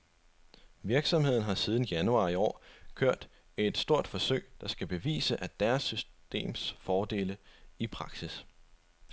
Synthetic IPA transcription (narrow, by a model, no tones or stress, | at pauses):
ʋiɐɡ̥sɒ̽mhe̝ð̰ˠn̩ɦɑ̈siːð̞ˠn̩jænuɑ̰̈iɒ̰ːkʰøɐ̰d̥ | æe̝d̥sd̥o̝ɐ̰d̥fɒ̽sø̰ɪ̰d̥ɑ̈sɡ̥æb̥e̝ʋḭːsəʔæd̥æɐsysd̥e̝̰ːmsfɒːd̥e̝ːləipʰʁɑ̈ɡ̥sis